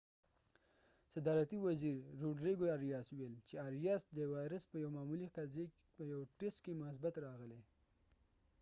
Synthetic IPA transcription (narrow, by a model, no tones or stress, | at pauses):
sad̪ɑɾat̪iwaziɾːoɖɾiɡoaɾijɑsʊwelt͡ʃeaɾijɑsd̪əwɑjɾəspəjawmɑmuliqaze | pəjawʈesʈkemʊhas̬bat̪ɾɑɣəle